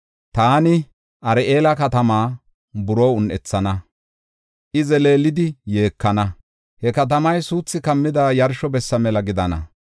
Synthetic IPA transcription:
t̪aːnɪ | ʔɐɾɛeːlɐkɐt̪ɐmaː | bʊɾoːʊnʔɛ̰t͡sːɐnɐ | ʔɪzɛle̞ːlɪd̪ɪje̞ːkːɐnɐ | hɛkɐt̪̬ɐmɐjsuːt͡sːɪkɐmːɪd̪aːjɐɾʃɔbɛsːɐmɛlɐɡɪd̪ɐnɐ̰

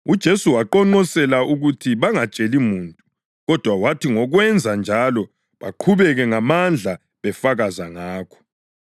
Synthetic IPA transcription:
ud̥ʒ̥ʱesuwaǃɔŋ͡ǃɔsɛlaʔuɣutʰiβaŋat͡ʃʼelimuːntʼu | ɣɔd̥ʱwawatʰiŋɔɣwɛnd͡zʱand͡ʒʱalɔ | βa̰ǃʰuβɛɣɛŋamand͡ɮʱa | βɛfaɣazaŋaːkʰɔ̥

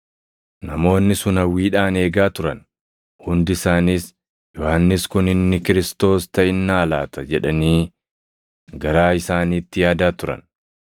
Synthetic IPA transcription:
nɐmo̞ːnːɪsʊnɐwiːᶑaːne̞ːɡaːt̪ʊɾɐ̰n | hʊnd̪ɪsaːniːs | jɔhɐnːɪskʊnɪnːɪkɪɾɪst̪o̞ːst̪ɐɪnːaːlaːt̪ʰɐd͡ʒɛᶑɐniː | ɡɐɾaːɪsaːniːt̪ːɪjaːd̪aːt̪ʊɾɐ̰n

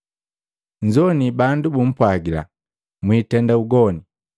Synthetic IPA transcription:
ɲd͡ʒɔnibandubum̩pwaɡila̰ | mwiːtɛndauɡɔni

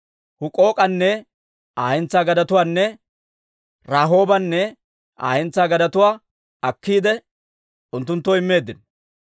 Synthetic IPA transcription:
hʊkʼo̞ːkʼɐnːɛ | aːjɛnt͡sːaːɡɐd̪ɐt̪ʊwaːnːɛ | ɾaːɦo̞ːbɐnːɛ | ʔa̰ːjɛnt͡sːaːɡɐd̪ɐt̪ʊwaː | ɐkːiːd̪ɛ | ʔʊnt̪ːʊnt̪ːɔɪmːe̞ːd̪ːɪn

